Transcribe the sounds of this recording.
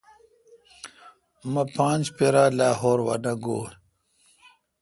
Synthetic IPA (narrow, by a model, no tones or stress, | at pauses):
mɐpãːnd͡ʑpeɾaːlaːɦoːɾwɐ̰nɐɡoː